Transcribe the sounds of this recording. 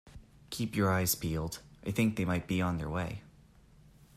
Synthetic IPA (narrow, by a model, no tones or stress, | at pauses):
kʰipjə˞aɪz̥pʰilˠdʔaɪθɪ̃ŋk̚ðeɪmaɪt̚b̥iə̃nðə̰˞weɪ